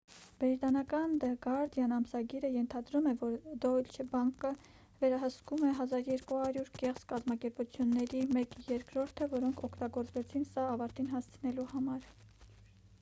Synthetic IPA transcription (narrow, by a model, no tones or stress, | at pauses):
b̥ɾit̪ɑnɑkɑnd̪əɡɑɾd̪jɑnɑmsɑɡiɾəjɛnt̪ʰɑd̪ɾumɛvɔɾd̪ɔlt͡ʃʰɛbɑŋkə | vɛɾɑɦəskumɛɦɑzɑɾjɛɾkuhɑɾjuɾkɛχzkɑzmɑkɛɾput͡sʰjunːɛɾimɛkjɛɾkɾɔɾt̪ʰəvɔɾɔŋkʰɔkʰt̪ɑɡɔɾt͡svɛt͡sʰinsɑːvɑɾt̪inɦɑst͡sʰənɛluhɑmɑɾ